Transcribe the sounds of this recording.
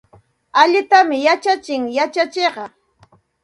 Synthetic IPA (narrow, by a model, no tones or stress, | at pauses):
aʎɪt̪amɪjat͡ʃat͡ʃɪŋjat͡ʃat͡ʃeɢɑ